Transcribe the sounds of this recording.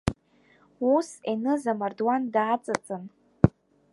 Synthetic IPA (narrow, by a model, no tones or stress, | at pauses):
usenɨzamardwandaːt͡sʼat͡sʼɨn